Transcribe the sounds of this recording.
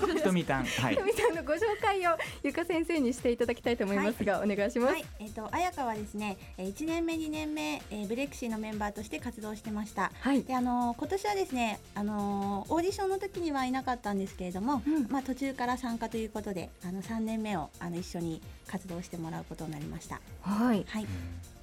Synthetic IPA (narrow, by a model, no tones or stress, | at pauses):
t̪omʲiã̰t̪omʲit̪ãnːoɡo̞ɕo̞ːkaio̞jɯ̟kasẽ̞ɰ̃se̞ːɲ̟iɕi̥t̪e̞it̪ad̪akʲi̥t̪ait̪oːmoimasɨɡaone̞ɡaiɕimasai | et̪ːo̞ʔajakaβ̞ad̪e̞sɨne̞ | it͡ɕinẽ̞mːe̞ɲ̟inẽ̞mːe̞ːbɯ̟ɾe̞kɯ̟̥ɕino̞mẽ̞mbaːt̪o̞ɕi̥t̪e̞kat͡sɨd̪o̞ːɕi̥t̪e̞maɕi̥t̪ahaiid̪̥e̞ano̞ko̞t̪o̞ɕiβad̪e̞sɨne̞ | ano̞oːdʲiɕõ̞nːo̞t̪o̞kʲiɲ̟iβainakat̪ːãnd̪e̞sɨ̥ke̞ɾe̞d̪o̞mo̞mat̪o̞t͡ɕɨːkaɾasãŋkat̪o̞jɯ̟ːko̞t̪o̞d̪e̞̰ano̞sãnːẽ̞mːe̞o̞ano̞iɕːo̞ɲ̟ikat͡sɨd̪o̞ːɕi̥t̪e̞mo̞ɾaɯ̟ko̞t̪o̞nːaɾʲḭma̰ɕi̥t̪a̰haihai